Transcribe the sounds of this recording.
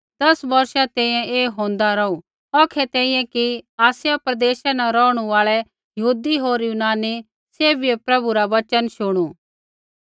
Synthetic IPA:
d̪ɐsbɐɾʃat̪ɛ̃ːĩjɛ̃eːɦõːn̆d̪aɾɔu | ɔːkʰɛt̪ɛ̃ːĩjɛ̃kiaːsjapɾɐd̪eːʃanɛɾɔːʊɽ̃uaːɭɛ | jɐɦuːd̪iɦoːɾjuːnaːni | seːbʱiepɾɐbuɾaʋɐt͡ʃənʃʊɽ̃uː

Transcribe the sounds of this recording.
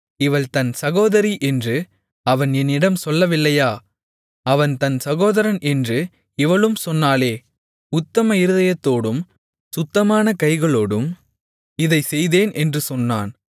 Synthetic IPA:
ɪʋɐɭt̪ɐnsɐɣoːðɐɾiʔɛndrɯ | ɐʋɐnɛnɪɽɐmsɔlːɐʋɪlːɐjaː | ɐʋɐnt̪ɐnsɐɣoːðɐɾɐnʔɛndrɯ | ɪʋɐɭɯmsɔnːaːleː | ʊt̪ːɐmɐɪɾɯðɐjɐt̪ːoːɽɯm | sʊt̪ːɐmaːnɐkɐɪɣɐɭoːɽɯm | ɪðɐɪsɛjðeːnɛndrɯsɔnːa̰ːn

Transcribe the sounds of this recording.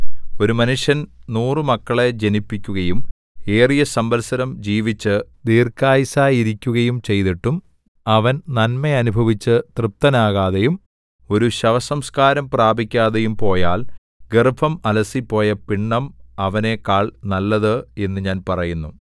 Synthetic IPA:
o̞ɾumɐnuʂjɐnnuːrɨmɐkːɐɭe̞d͡ʑenipːikʲːuɣɐjum | e̞ːrijɐsɐmbɐlsɐɾɐmd͡ʑiːʋit͡ɕːɨd̪iːrkaːjisaːjiɾikʲːuɣɐjumt͡ɕe̞jt̪iʈːum | ɐʋɐnnɐnmeɐnubʱɐʋit͡ɕːɨt̪rɨp̚t̪ɐnaːɣaːðejum | o̞ɾuɕɐʋɐsɐmskaːɾɐmpraːbʱikʲːaːðejumpo̞ːjaːl | ɡerbʰʱɐmɐlɐsipːo̞ːjɐpiɳːɐmɐʋɐne̞kaːɭnɐlːɐðɨe̞nːɨɲaːnpɐrɐjunːu

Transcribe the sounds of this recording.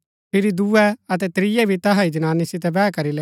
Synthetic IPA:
pʰɪɾid̪uːɛɐt̪̬ɛt̪ɾɪjɛbʱit̪ɐɦaid͡ʒɐnaːnːisɪt̪ɛbɛːkɐɾileː

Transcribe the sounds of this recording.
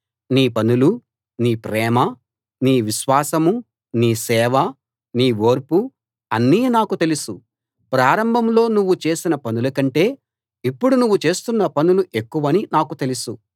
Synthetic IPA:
niːpɐnulu | niːpɾɛːmɐ | niːʋiʃʋaːsɐmu | niːsɛːʋɐ | niːʋo̞ːɾpu | ɐnːiːnaːkut̪e̞lusu | pɾaːɾɐmbʱɐmlo̞ːnuʋːut͡ʃe̞ːsinɐpɐnulɐkɐɳʈe̞ː | ipːuɽunuʋːut͡ʃe̞ːst̪unːɐpɐnuluʔe̞kːuʋɐninaːkut̪e̞lusu

